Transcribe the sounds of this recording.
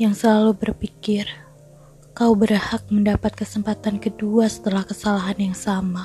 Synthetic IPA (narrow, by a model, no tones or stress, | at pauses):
jaŋsəlalubərpikɪr | kaubərhak̚məndapat̪̚kəsəmpat̪ankəduasə̥t̪əlahkəsalaɦanjaŋsama